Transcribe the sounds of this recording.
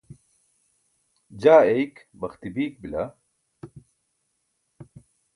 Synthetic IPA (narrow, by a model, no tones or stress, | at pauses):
d͡ʑaːejkbɐxt̪ibiːk̚bila̰